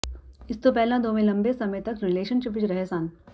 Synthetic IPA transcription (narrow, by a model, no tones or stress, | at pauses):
ɪst̪opɛɦlãd̪oːmẽlɐ̃mbesɐmət̪ɐkɾɪleːʃənʃɪpʋɪt͡ʃɾɐɦesaːn